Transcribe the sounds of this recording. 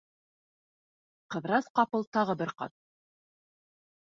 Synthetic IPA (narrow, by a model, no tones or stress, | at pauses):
qɤ̆ðɾɑsqɑpɤlˠt̪ɑʁɤbɘɾqɑ̰t̪̚